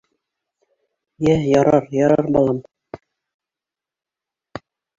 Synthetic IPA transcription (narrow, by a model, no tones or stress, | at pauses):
jæjɑɾɑɾjɑɾɑɾbɑlˠɑm